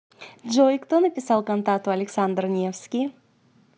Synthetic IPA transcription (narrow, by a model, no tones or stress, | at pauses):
ʒojkt̪onɨpʲɪsɑlˠkont̪at̪ualʲeksand̪rnʲiefskʲij